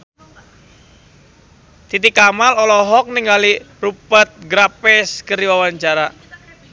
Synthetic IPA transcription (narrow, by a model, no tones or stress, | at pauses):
t̪it̪ikamalɔlɔɦɔk̚niŋɡali | rupət̪̚ɡɾapɛskəriwawaɲt͡ʃaɾa